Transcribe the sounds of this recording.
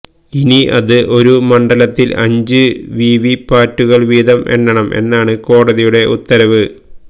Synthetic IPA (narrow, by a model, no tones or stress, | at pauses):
iniɐ̰ðɨʔo̞ɾumɐɳɖɐlɐt̪ːilɐ̰ɲd͡ʑɨʋiːʋipaːtːuɣɐɭʋiːd̪ɐme̞̰nːɐɳɐmʔe̞̰nːaːɳɨko̞ːɽɐðijuɽe̞ʔut̪ːɐɾɐʋɨ